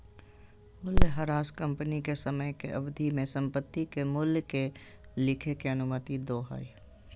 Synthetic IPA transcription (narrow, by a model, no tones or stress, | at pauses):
mʊljɦɐɾaːskə̃mpnikesəməjkḛʔɐbd̪ʱimẽsə̃mpət̪ːikemʊljke | lɪkʰekeɐnʊmət̪id̪oːɦa̰ːi